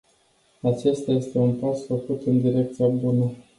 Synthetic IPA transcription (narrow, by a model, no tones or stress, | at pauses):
at͡ʃe̞st̪aje̞st̪e̞unpasfəkut̪ɨnd̪iɾe̞k̚t̪sijabunə